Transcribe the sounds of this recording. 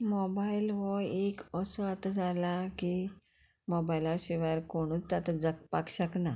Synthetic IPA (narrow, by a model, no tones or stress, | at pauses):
mɔbailʋɔekəsɔat̪ad͡zalaki | mɔbailaɕiʋaɾkoɳ̃uːt͡st̪at̪ad͡zək̚pakɕəkna